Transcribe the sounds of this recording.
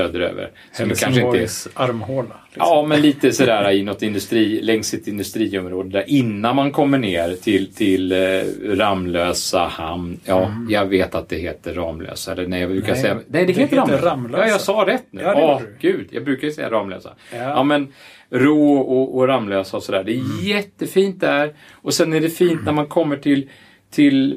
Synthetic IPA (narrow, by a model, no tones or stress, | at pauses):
øːd̪əɾø̰ːvə̰ɾ | sɔmd̪kʰanʂəɪnəɛaɾmhoːla | ɑmɛnliːt̪əsɔd̪æːɾaɪnɔt̪ːɪnd̪ɵst̪ɾiːlɛŋsːɪt̪ɪnd̪ɵst̪ɾiːɔmɾoːd̪əd̪æɾʔɪnːanmankʰɔmːəɳeːɾt̪ʰɪlt̪ʰɪlɾamːløːsahamnjɑːjɑɡveːt̪at̪̚d̪ɛɦeːt̪əɾɑːmlø̰ːsɛlːənɛjɑbɾʉ̟ːkasɛjːanɛɪd̪ɛkeːt̪əɾamjɑːjɑsɑːɾɛt̪ːnʉ̟ːɔɡ̥ʉ̟ːd̪jɑ̰ɡbɾʉ̟ːkaɾsɛjːa̰ɾɑːmlø̰ːsa̰ | jɑːmɛn | ɾoːʔɔʔɔɾamːløːsaɔsɔd̪æːɖɛːjɛt̪ːəfiːnt̪̚d̪æɾ | ʔɔsɛnæɖɛfiːnt̪næɾmankʰɔmːəʈʰɪl | t̪ʰɪl